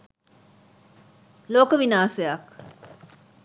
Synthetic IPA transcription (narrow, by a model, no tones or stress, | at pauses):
loːkɐʋinaːseaːk